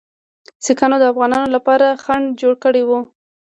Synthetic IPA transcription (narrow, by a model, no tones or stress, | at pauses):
sikanod̪əafɣɑnɑnolapɑɾaxaɳɖd͡ʒoɽkəɽewu